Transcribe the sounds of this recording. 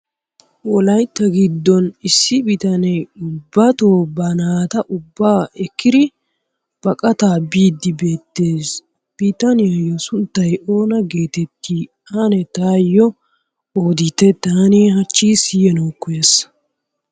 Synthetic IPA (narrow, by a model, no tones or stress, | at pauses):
wɔlɐjt̪ːɐɡɪd̪ːɔnɪsːɪbit̪ɐnɛjʊbːɐt̪oːbɐnaːt̪ɐʔʊbːaːʔɛkːɪd̪ɪ | b̥ɐkʼɐt̪aːbiːd̪ːɪbe̞ːt̪ːe̞ːs | b̥iːt̪ɐnɪjɐjːɔsʊnt̪ːɐjo̞ːnɐɡe̞ːt̪ɛt̪ːiː | ɐnɛt̪aːjːɔ | oːd̪ɪt̪ːɛt̪aːnihɐt͡ʃːiːsɪjɛnoːkːʊjeːs